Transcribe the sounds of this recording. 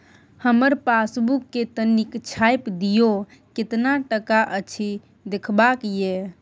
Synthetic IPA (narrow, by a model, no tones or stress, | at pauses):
həməɾpasbukːet̪ənikt͡ʃʰajpd̪ijo | ket̪naʈəkaʔət͡ʃʰi | d̪ekʰbakje